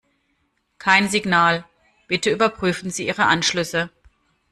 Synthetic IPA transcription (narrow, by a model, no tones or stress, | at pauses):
kʰaɪnzɪɡnaːl | b̥ɪtəyːbɐpʁ̥yːfn̩ziːʔiːʁəʔanʃlʏsə